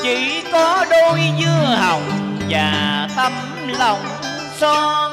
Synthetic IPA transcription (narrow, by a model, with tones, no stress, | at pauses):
t͡ɕḭ˧˩˦kɔ˨˦ɗo˧jzɨ˧ha˨˩wŋ͡mvaː˨˩t̪ə˧m | la˨˩wŋ͡m | sɔ˧